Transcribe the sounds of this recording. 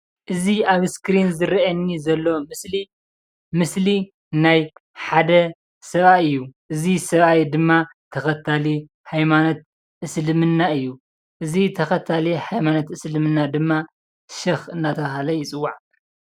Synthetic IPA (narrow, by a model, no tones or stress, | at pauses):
ʔɨziaβskɾinzɨɾɐʔɐnːizɐlːo̞mɨsli | mɨsli | najħad̪ɐ | sɐβajɨjːuʔɨzisɐβajd̪ɨmːat̪ʰɐxɐt̪ʰːali | hajmanot̪̚ | ʔɨslɨmɨnːaɨjːu | ʔɨzit̪ʰɐxɐt̪ʰːaliħajmanot̪ɨslɨmɨnːad̪ɨmːa | ʃɐxɨnːat̪ʰɐβaɦalɐjɪt͡sʼɨwːaʕ